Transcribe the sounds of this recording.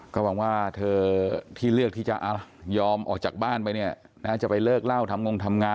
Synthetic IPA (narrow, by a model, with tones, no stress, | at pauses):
kɔː˥˩wa˧ŋwaː˥˩t̪ʰɤː˧t̪ʰiː˥˩lɯ˥˩ək̚t̪ʰiː˥˩t͡ɕa˨˩ʔa˧jɔː˧mʔɔː˨˩k̚t͡ɕaː˨˩k̚baː˥˩npa˧jni˥˩ɐə | naː˦˥˩t͡ɕa˨˩pa˧jlɤː˥˩k̚la˥˩wt̪ʰa˧mŋo˧ŋt̪ʰa˧mŋaː˧